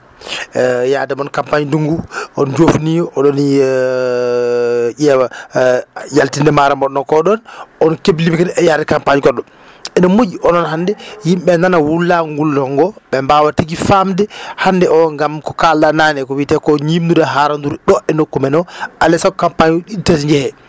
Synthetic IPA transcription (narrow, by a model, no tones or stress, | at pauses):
jadɛmɔnkampaɲinduŋɡuɔnd͡ʒofniɔɗɔn | ɟɛwa | jaltindɛmaɾamɔɗɔnɔkɔɗɔnɔnkebilimikanɛjadɛkampaɲikɔɗɔ | ɛnɔmod͡ʒiʔɔnɔnhandɛjimɓɛnanawulːaŋɡulːɔŋɡɔɓɛmbawatiɡifamdɛhandɛʔɔŋɡamkɔkalɗananɛkɔwitɛkɔɲimdudaɦaɾanduɾɗɔʔɛnokːumɛnɔʔalɛsakkampaɲɗitesɲd͡ʒɛhɛ